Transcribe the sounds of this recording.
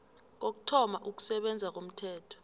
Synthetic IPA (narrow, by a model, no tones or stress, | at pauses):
k̬ok̬u̥tʰɔmaʔuk̬u̥sɛɓɛnd͡zʱak̬om̩tʰɛːtʰɔ̥